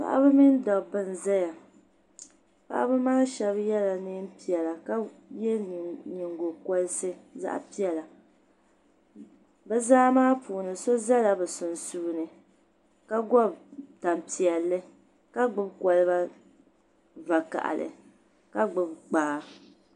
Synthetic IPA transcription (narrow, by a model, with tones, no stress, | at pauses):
pa̰˨ʔa̰˦bɨ˦mi˦n˦dɔ˨bɨ˦nza˦ja˨ | pa̰˦ʔa̰˦bɨ˦maː˦ʃɛ˦bjɛ˦la˨nɨ˦m˦pi˦ɛ˨la˨ka˦jɛ˦˨ɲɪ˨ŋɡo˨kɔ˦lɨ˦sɨ˦za̰˦ʔa̰˦pi˦ɛ˨la˨ | bɛ˦zaː˦maː˦pʰuː˨nɨ˨so˦za˦la˨bɛ˨sʊ˨nsu˦nɨ˨ | ka˦ɡɔ˦bta˨m˨pi˨ɛ˨lːɨ˦ | ka˦ɡ͡bʊ˦bkɔ˨lɨ˦ba˦ | va˨ka̰˨ʔa̰˨lɨ̰˨ | ka˦ɡ͡bʊ˨bk͡paː˨˦